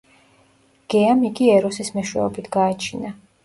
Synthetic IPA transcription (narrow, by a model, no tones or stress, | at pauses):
ɡ̥ɛamiɡiɛɾɔsismɛʃwɛ̰ɔbit̪ʰɡaːt͡ʃʰina